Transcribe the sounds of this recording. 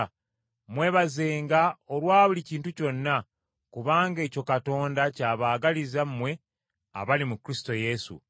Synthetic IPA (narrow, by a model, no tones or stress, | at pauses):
mwe̞ːβaze̞ːŋɡaolwaːβuliciːntuco̞nːa | kuβaːŋɡe̞ːco̞kato̞ːndacaːβaːɡalizammːwe̞ | a̰βalimukɾisi̥to̞je̞sṵ